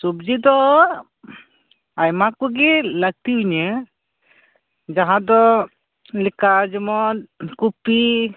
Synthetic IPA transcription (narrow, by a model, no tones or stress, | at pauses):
subd͡ʒid̪ɔ | ajmakuɡiləɡ̚t̪iuɲɛ | d͡ʒaɦãd̪ɔ | likad͡ʒɔmɔt̪̚kupi